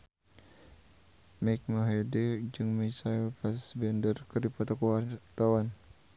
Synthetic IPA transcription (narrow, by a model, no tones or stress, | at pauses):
mɛk̚maɦɛded͡ʒɨŋmɛsailpasbɛndərkɨrdipɔt̪ɔkuat̪awan